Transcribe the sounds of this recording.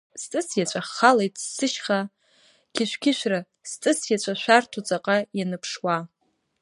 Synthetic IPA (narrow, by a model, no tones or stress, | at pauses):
stʼɨsjat͡ɕʷʰʼaχːalejtʼsːɨʃχa | ɡʲɪʃʷᶣkʲɪʃʷᶣra | st͡sʼɨsjat͡ɕʷʰʼaʃʷᶣartʰot͡sʼaqʼajanɨpʰʂwa